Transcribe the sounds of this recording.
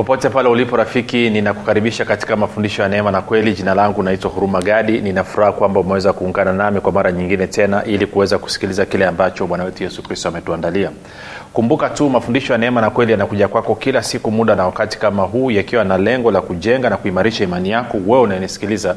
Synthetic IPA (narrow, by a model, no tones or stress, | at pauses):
pɔpɔtɛpalɛulipɔɾafikininaku̥kaɾiɓiʃakati̥kamafundiʃɔjanɛɛmanakwɛliʄinalaŋɡunaitwahuɾumaɠaɗininafuɾahakwambaumɛwɛzakuːŋɡananamikwamaɾaɲiŋɡinɛtɛnaʔilikuwɛzaku̥si̥kilizakilɛambat͡ʃɔmwanawɛtujɛsukɾistɔamɛtuandalia | kumbukatumafundiʃɔjanɛɛmanakwɛlijanakuʄakwakɔkilasikumuɗanawakati̥kamaɦuːjakiwanalɛŋɡɔlakuʄɛŋɡanakuimaɾiʃaimanijakɔwɛunajɛnisi̥kiliza